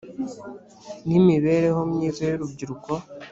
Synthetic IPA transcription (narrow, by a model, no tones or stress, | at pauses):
nimiβe̞ːɾe̞homɲiːzajoɾubɟiɾuko